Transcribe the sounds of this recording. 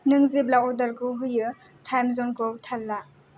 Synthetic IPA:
nɯŋziblaɔdaɾɡɯɦɯjɯ | tʰajmzɔnɡoltʰalːa

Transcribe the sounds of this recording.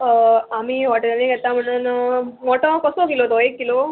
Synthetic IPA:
amiːɦɔʈəlnẽɡʱɛt̪am̤əɽ̃uːnmɔʈõkəsokilot̪oekːilo

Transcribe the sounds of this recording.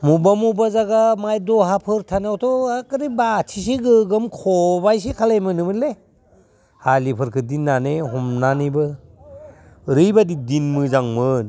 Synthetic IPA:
mubamubazaɡamajdɔɦapʰɯɾtʰanawtʰɔakɯɾibatʰis̬iɡɯɡɯmkʰɔbajs̬ekʰalajmɯnɯmɯle | halipʰɯɾkʰɯdinːaneɦɔmnanibɯ | ɾɯjbadidinmɯzaŋmɯn

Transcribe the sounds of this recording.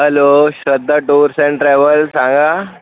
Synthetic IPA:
ɦəloɕəd̪ʱːaʈuːɾsẽɳʈɾaʋəlsãŋɡa

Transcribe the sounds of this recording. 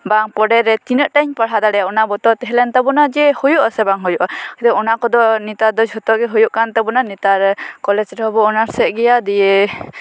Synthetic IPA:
baŋpɔɖɛɾɛt̪inəʔʈaɲpaɽ̤ad̪aɽɛjaɔnabɔt̪ɔt̪ɛɦɛlɛnt̪abɔnad͡ʒɛhujuʔɔsɛbaŋɦujuʔaki̥t̪ɛɔnakɔd̪ɔnit̪ad̪ɔd͡ʒʱɦɔt̪ɔɡɛɦujuʔkant̪abɔnanit̪aɾkɔlɛd͡ʒɾɔɦɔbɔːnaɾsɛʔɡɛjad̪ɛjɛ

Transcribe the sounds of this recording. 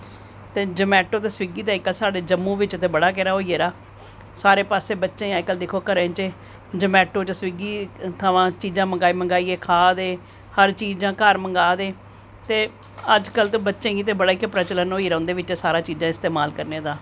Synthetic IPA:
t̪eːd͡ʒəmɛːʈoːt̪eːsʋiɡiːt̪eɪkːəlsaːɖeːd͡ʒəmːũːʋɪt͡ʃt̪eːbəɽaːk̬ɛːɾaːɦoːieːɾaː | saːɾeːpaːseːbətːʃẽːaːɪkəld̪ɪkʰoːkəɾent͡ʃeː | d͡ʒəmɛːʈoːt͡ʃəsʋiɡiːt̪ʰəʋãːt͡ʃiːd͡ʒãːməŋɡaːiːməŋɡaːiːeːkʰaːd̪eː | həɾt͡ʃiːd͡ʒãːkəɾməŋɡaːd̪eː | t̪eː | əd͡ʒkəlt̪õːbətːʃẽːɡiːt̪ẽːbəɽaːɪkːpɾət͡ʃələnɦoːiːɾãːnd̪eːʋɪt͡ʃːsaːɾãːt͡ʃiːd͡ʒãːɪst̪eːmaːlkəɾnẽːd̪aː

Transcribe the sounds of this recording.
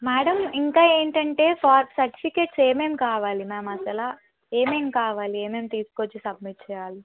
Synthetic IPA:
maːɽɐmiŋkaːe̞ːɳʈɐɳʈe̞ːfaːɾpsɐɾʈi̥pʰike̞ːʈse̞ːme̞ːmkaːʋaːlimaːmɐsɐlaː | eːme̞ːmkaːʋaːlieːme̞ːmt̪iːsu̥kot͡ʃːisɐb̚miʈ̚t͡ʃɛːjaːli

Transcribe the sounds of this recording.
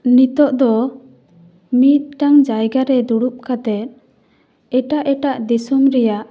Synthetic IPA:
nit̪ɔʔd̪ɔ | mit̪̚ʈaŋd͡ʒajɡaɾɛd̪uɽup̚kat̪ɛt̪̚ | ɛʈaʔɛʈaʔd̪isumɾɛjaʔ

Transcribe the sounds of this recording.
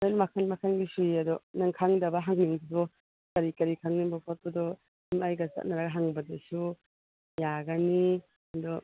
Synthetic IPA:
enmakʰanmakʰanɡisujɐd̪ɔnaŋkʰaŋdɐbɐɦaŋniŋdibɔ | kɐɾikɐɾikʰaŋnibɔpʰɔt̚bɐdɔ | imajɡɐsa̰t̚naɾaɡaɦaŋbɐdesu | jaɡani | ɐdɔ

